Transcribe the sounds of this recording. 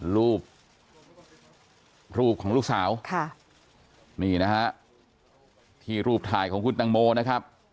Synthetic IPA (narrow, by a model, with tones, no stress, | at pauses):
ɾuː˥˩p̚ | ɾuː˥˩p̚kʰɔː˩˦luː˥˩k̚saː˩˦wkʰa˥˩ | miː˧˩na˦˥hʰa˦˥ʔ | t̪ʰiː˧˩ɾuː˥˩p̚t̪ʰaː˨˩jkʰɔː˩˦ŋkʰu˧nt̪a˧ŋmoː˧na˦˥kʰa˦˥p̚